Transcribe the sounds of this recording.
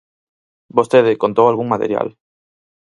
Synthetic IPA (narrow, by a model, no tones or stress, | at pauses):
bost̪eðɪkont̪owalɣuŋmat̪ḛɾja̰l